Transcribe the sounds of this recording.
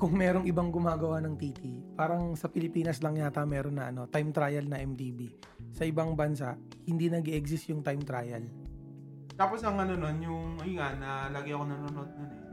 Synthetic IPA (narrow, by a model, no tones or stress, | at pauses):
kʊŋmɛːɾo̞ŋɪbaŋɡʊmaːɡɐwanɐŋt̪it̪ipaːɾɐŋsɐpɪlɪpiːnɐslɐŋɲaːt̪ɐmɛːɾonːɐʔɐno̞t̪ajmt̪ɾaːjɐlnɐʔɛmt̪iːbi | sɐʔɪbaŋbɐnsaʔ | hɪnd̪inɐɡɛʔɛɡsɪst̪jʊŋt̪ajmt̪ɾaːjɐl | t̪aːposɐŋɐnononjʊŋɐiŋanɐlɐɡɐjʔɐkonɐnonʔod̪̚nonɛ